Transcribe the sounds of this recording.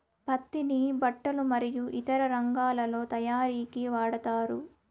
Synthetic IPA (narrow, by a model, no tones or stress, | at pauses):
pɐt̪ːinibɐʈːɐlumɐɾijuʔit̪ɐɾɐɾɐŋɡaːlɐlo̞ːt̪ɐjaːɾiːkiʋaːɽɐt̪aːɾu